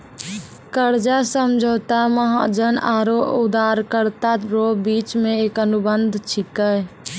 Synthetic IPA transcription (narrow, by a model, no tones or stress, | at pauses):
kəɾd͡ʒasəmd͡ʒʱoːt̪aməɦad͡ʒənaːɾoʊd̪aːɾkəɾt̪aɾoːbiːt͡ʃmẽeːkənʊbənd̪ʱt͡ʃʰɪkə